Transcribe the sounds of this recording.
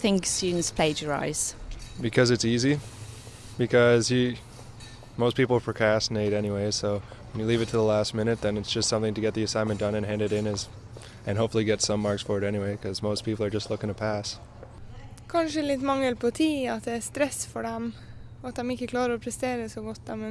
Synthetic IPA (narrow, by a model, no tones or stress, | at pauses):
θɪ̃ŋksʉnz̥pʰl̥eɪd͡ʒəɹa̰ɪz̥bɨkʰʌzɨtsizi | b̥ɨkʰʌzjɨ | moʊs̚pʰipl̩ˠəpʰɹ̥əkʰɑstneɪɾɛñiweɪsoʊ | wə̃njɨlivɨtʰəðəlæstmɪ̃ñɨt̪̚ðɨ̃nɨtsd̥ʒ̥ʌstsʌ̃mθɪ̃ŋtɨɡɛt̪̚ðiɨsãɪ̃nmɨ̃nd̥ʌ̃nɨ̃nɦæ̃ndɨɾɪ̃nɨz | ɨ̃nɦoʊpfl̩ˠiɡɛtsʌ̃mːɑɹksfɔɹwəɾɛñiweɪkʰʌzmoʊspʰipl̩ˠə˞d͡ʒʌstˡlʊkɪ̃ŋtʰəpʰæs | kʰɑnʃəlɪt̪mɑŋːəlpʰɔt̪ʰiːɑt̪̚d̪ɛæst̪ɾɛsfɔɖɛm | ɔɑt̪̚d̪ɛmɪçəkʰlɑːɾəɾopʰɾɛst̪eːɾəsoɡɔt̪̚d̪ɛm